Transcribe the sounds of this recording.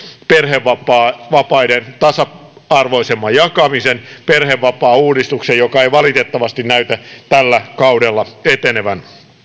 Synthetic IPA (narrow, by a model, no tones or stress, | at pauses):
perheʋːɑpɑːʋɑpɑident̪ɑsɑɑrʋoisemːɑjɑkɑmisenperheʋːɑpɑːuːdist̪uksejokɑeiʋɑlit̪et̪ːɑʋɑst̪innæyt̪æt̪ælːækɑudelːɑet̪eneʋæn